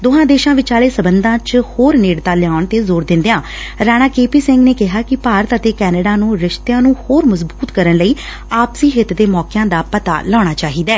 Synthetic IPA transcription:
d̪oːɦãːd̪eːʃãːʋɪt͡ʃaːleːsəbənd̪ãːt͡ʃhoːɾneːɽt̪aːlɪjaːʊɳt̪eːzoːɾd̪ɪ̃nd̪ejãː | ɾaːɽ̃aːkeːpiːsɪ̃ŋɡneːkɪɦaːkɪpaːɾət̪ət̪eːkɛːnəɖaːnũːɾɪʃt̪jãːnũːhoːɾməzbuːt̪kəɾənləiː | aːpsiːɦɪt̪d̪eːmɔːkɪjãːd̪aːpət̪a̰ːlɔːɽ̃aːt͡ʃaːɦiːd̪aː

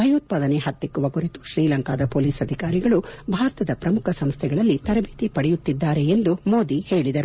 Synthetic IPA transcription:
bʱɐjɐuːt̪̚paːd̪ɐneɦɐt̪ːikːuʋɐkuɾit̪u̥ʃɾiːlɐŋkaːd̪ɐpoːliːsɐd̪ʱikaːɾiɡɐɭubʱaːɾɐt̪ɐd̪ɐpɾɐmukʰɐsɐmst̪ʰɛɡɐɭɐlːit̪ɐɾɐbʱiːt̪ipɐɽɛjut̪ːid̪ːaːɾeend̪umo̞ːd̪ihe̞ːɭid̪ɐɾu

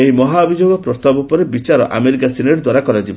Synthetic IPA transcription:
eɦimɔɦaɔbʱid͡ʒoɡɔpɾɔst̪abupɔɾebit͡ʃaɾɔ̰ʔa̰meɾikasineɽd̪waɾakɔɾad͡ʒibɔ

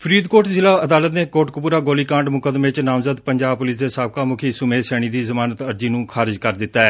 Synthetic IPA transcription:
pʰɾiːd̪koːʈzɪlaːəd̪aːlət̪neːkoːʈkʊpuːɾaːɡoːliːkãːɳɖmʊkəd̪mẽːt͡ʃnaːmzəd̪pəɲd͡ʒaːb̚pʊlɪsd̪eːsaːb̚kaːmʊkʰiːsʊmẽːsɛːɽ̃iːd̪iːzəmaːnət̪əɾd͡ʒiːnũːkʰaːɾɪd͡ʒkəɾd̪ɪt̪ːaːɛː

